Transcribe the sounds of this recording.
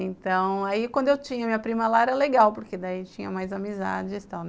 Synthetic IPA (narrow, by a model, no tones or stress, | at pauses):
ẽnt̪ɐ̃w̃aikwɐ̃nd̪ʊewt͡ʃĩɲɐmĩɲɐpɾĩmɐlaɛɾɐleɡawpoɾked̪ait͡ʃĩɲɐmajzamiza̰d͡ʒɪst̪awn